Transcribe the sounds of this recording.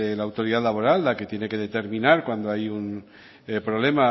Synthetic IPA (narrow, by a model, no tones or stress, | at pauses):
elaːwt̪o̞ɾiðalaβ̞o̞ɾalːake̞t̪je̞ne̞keð̞e̞t̪eɾminaɾkwand̪oajun | pɾole̞ma